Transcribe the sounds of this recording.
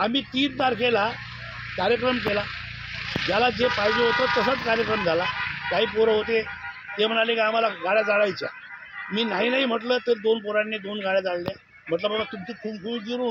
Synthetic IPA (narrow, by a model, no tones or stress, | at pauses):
amiːt̪iːndaɾkela | kaɾjək̬ɾəmk̬ela | d͡ʑjalad͡zepaɦid͡ʑeɦot̪ət̪əs̬ət͡skaɾjəkɾəmd͡zʱalakaɦiːpoɾəɦot̪e | t̪em̤əɽ̃alekiam̤alaɡʱaɽjad͡zaɭajt͡sa̰ | miːnaɦinaɦim̤əʈlət̪əɾd̪onpoɾanːed̪onɡʱaɽjad͡zallje | m̤əʈ̬ləbaat̪umt̪ikʰuːbkʰuːbɡiɾu